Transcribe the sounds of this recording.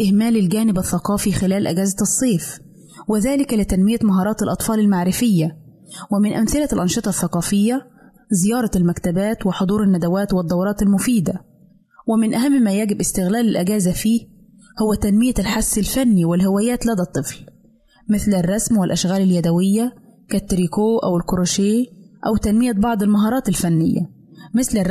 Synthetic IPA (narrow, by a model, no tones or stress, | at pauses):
ʔɪhmæːlɪlɡæːnɪbɑθːɑqɑːfixɪlæːlʔɪ̰ɡæːzæsˤːeːf | wɪðæːlɪklɪt̪ænmɪjæmɑɦɑːɾˤɑːt̪ɪlʔɑt̪ˤfɑːlɪlmaʕɾɪfɪjːæ | wɪmɪnʔæmθɪlælʔɑnʃɨt̪ˤɑθːɑqɑːfɪjːæ | zɪjɑːɾˤɑlmækt̪æbæːt̪wɪħod̪ˤuːɾɪnːæd̪æwæːt̪wɨd̪ˤːɑwɾˤɑːt̪ɪlmʊfiːd̪æ | wɪmɪnʔæɦæmːmæjæɡɪbʔɪst̪ɪɣlæːlɪlʔɪɡæːzæfiː | hʊwːæt̪ænmɪjælħasːɪlfænːiwɪlhɪwæːjæːt̪læd̪æt̪ˤːɨfl | mɪθlɪrˤːɑsmwɪlʔæʃɣæːlɪljæd̪æwɪjːæ | kæt̪ːɪɾiːkoːʔæ̰wɪlkʊɾoːʃeːʔæwt̪ænmɪjæbɑʕd̪ˤɪlmɑɦɑːɾˤɑːt̪ɪlfænːɪjːæ̰ | mɪθlɪr